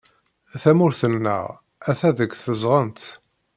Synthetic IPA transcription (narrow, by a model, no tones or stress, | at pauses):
θæmʊɾθənːə̰ʁ | æθæðəɡθəzʁənt̪